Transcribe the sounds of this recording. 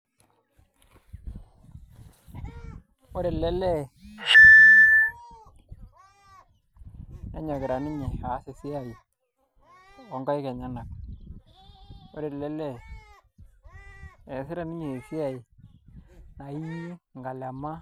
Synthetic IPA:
wo˦ɾe˨lɛ˦lɛ˦˨ | ɛ˦ɲa˨ɡɪ˨ɾa˨ni˦ɲe˨a˨˦se˨si˦a˨i˨ | ɔ˨ŋɡa˦i˦kɛ˨ɲa˦na˨k̚ | wo˦ɾe˨lɛ˦lɛ˦˨ | ɛ˨sɪ˦ɾa˨ni˦ɲe˨e˨si˦a˨i˨ | na˨i˦ɲi˦ŋɡa˨la˨ma˦

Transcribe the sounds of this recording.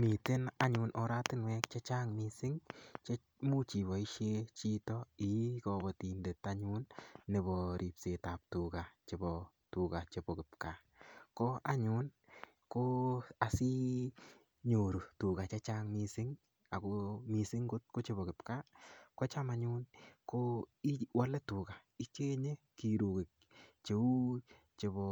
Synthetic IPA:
mi˨tɪ˦na˦ɲu˧nʔɔ˧ɾa˦tɪ˦nwɛ˦kt͡ʃe˦t͡ʃa˦ŋmi˧sɪ˦ŋt͡ʃe˦ | mu˦t͡ʃi˨bɔ˨i˦ʃe˦t͡ʃi˦tɔi˨i˦kɔbɔ˨ti˨nde˨ta˦ɲu˦nːe˨bɔ˨ɾʔi˨pse˨ta˨p̚tu˨ka˨t͡ʃe˨bɔ | tu˨ka˨t͡ʃe˨bɔ˨kɪ˨p̚ka˨ | kɔ˦aɲu˦n | ko˦a˨si˦ | ɲoɾu˨tu˨ka˨t͡ʃe˦t͡ʃa˦ŋmi˦sɪ˦ŋ | a˨ɡomi˨sɪ˦ŋɡo˦t̚ko˦t͡ʃe˦bɔ˨kɪpka˦kɔ˦t͡ʃa˦maɲu˦nko˦i˦wa˦le˦tu˨ka˨ | i˦t͡ʃe˦ɲe˦ | ki˨ɾu˨kɪ˨k̚ | t͡ʃe˨u˦ | t͡ʃe˨bɔ

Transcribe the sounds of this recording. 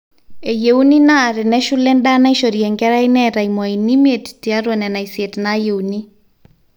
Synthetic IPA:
e˨je˨u˦ni˦naː˦˨ɾɪ˨nɛ˦ʃʊ˦lɛ˦nda˦na˦i˦ʃo˨ɾjɛ˨ŋɡɛ˦ɾa˦i˦nɛ˦ɾa˨imwa˨ini˦me˨ti̥tia˦ɾwɔ˨nɛ˨na˨i˨sje˨tna˦je˨uni˦

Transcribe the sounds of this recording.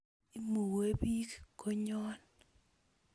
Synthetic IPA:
i˦mu˨we˦bi˦kko˦ɲɔ˦n

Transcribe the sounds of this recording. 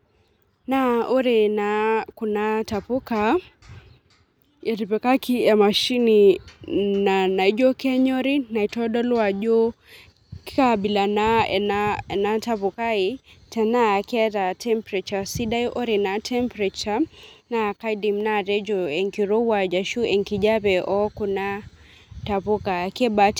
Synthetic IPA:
na˦ɔ˦ɾɛ˨naku˨na˨ta˨pu˦ka˨ | ɛ˨ɾi˨pɛ˨ka˦ki˦ja˨ma˨ʃi˦ni˨ | na˨na˨i˦d͡ʒɔ˦kɛ˦ɲɔ˦ɾi˦na˨i˨tɔdɔ˦lwa˨d͡ʒɔ˦ | ki̥˦ka˦bi˨la˨na˦ɛ̰˨naɛna˦ta˦pu˨ka˦ita˨na˦a˨kɛ˦ta˨tʰɛ˦mpɾɛt͡ʃa˨si˦da˦iʔɔ˦ɾinatʰɛ˦mpɾɛt͡ʃana˨ka˦idimna˦ɾɛ˦d͡ʒɔɛ˨ŋkiɾɔ˦wa˨d͡ʒa˨ʃu˦ɛ˨ŋki˨d͡ʒa˦βɛʔɔ˦ku˨na˦ | ta˨pu˦ka˨kɛ˦bat

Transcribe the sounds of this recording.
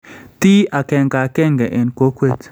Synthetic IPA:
t̪i˦a˨kɛ˨ŋɡa˨kɛ˦ŋɡɛ˨ʔe˨nko˦kwe˦˨t͡s

